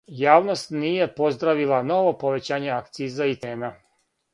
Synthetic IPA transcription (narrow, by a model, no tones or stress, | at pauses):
jaːʋno̞st̪niːje̞po̞zd̪ɾaʋilˠano̞ʋo̞po̞ʋe̞t͡ɕaːɲe̞akt̪siːzait̪eːna